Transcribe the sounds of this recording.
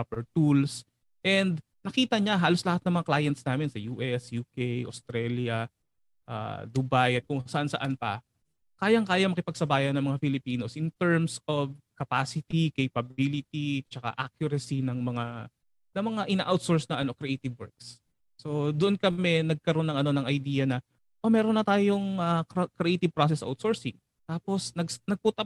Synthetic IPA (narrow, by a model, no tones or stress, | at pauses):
papɛɹt̪uls | ʔɛnd̪ | nɐkiːt̪ɐɲaɦaːlo̞slɐhat̪̚nɐŋmɐŋaklaːjɐnt̪snaːmɪnsɐjuːʔɛsjuːkɛjʔost̪ɾɛljɐ | ʔa̰d̪ʊbajɐt̪̚kʊŋsɐʔansɐʔanpɐ̰ | kaːjɐŋkaːjɐmɐkɪpɐɡ̚sɐbaːjɐnːɐŋmɐŋafɪlɪpiːno̞sʔɪnt̪ɛɹmsovkɐpaːsɪt̪ikejpɐbilɪt̪it͡ʃɐka̰ʔakjʊɾɐsinɐŋmɐŋa | nɐŋmɐŋaʔɪna̰ːʔawt̪soɹsnɐʔɐno̞kɾɛʔejt̪ɪvwɛɹk̚sː | o̞d̪ʊʔonkɐmɛnɐɡ̚kɐɾonːɐŋɐno̞nɐŋʔɐjd̪iːjɐnɐ | ʔomɛːɾonːɐt̪aːjo̞ŋɐkkɾɛʔejt̪ɪv̚pɾas̬ɛsa̰wt̪soːɹsɪŋ | t̪aːpo̞snɐɡsnɐɡ̚put̪ɐ